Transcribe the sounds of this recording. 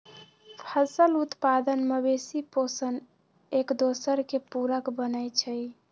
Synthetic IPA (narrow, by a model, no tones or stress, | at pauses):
pʰəsəlut̪pad̪ənməbesiposən | ekd̪osəɾkepuɾəkbənəjt͡ʃʰəj